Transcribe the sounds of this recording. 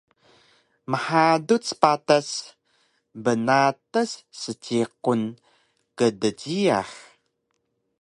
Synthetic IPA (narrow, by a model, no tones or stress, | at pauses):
məħadut͡spatas | bənatəsːət͡ɕiqun | kədəɟia̰χ